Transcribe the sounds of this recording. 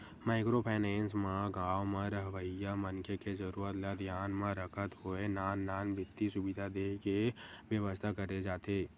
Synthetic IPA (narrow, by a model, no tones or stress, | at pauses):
maːɪkɾopʰaːnɛ̃ːnsmãɡãːwmẽɾəɦʋəɪjamənkʰekezəɾuːɾət̪lad̪ʱjaːnmãɾəkʰət̪ɦoenaːnːaːnbʱɪt̪ːisʊbɪd̪ʱad̪eːɦkeʋjəʋəst̪ʰakəɾed͡ʒaːt̪eː